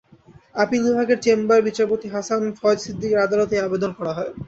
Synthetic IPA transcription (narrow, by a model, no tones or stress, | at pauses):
apilubʱakeɾt͡ɕembaɾbit͡ɕaɾpot̪iɦasanfɔd͡ʑsid̪ːikeɾad̪alot̪eabed̪onkɔɾaɦɔe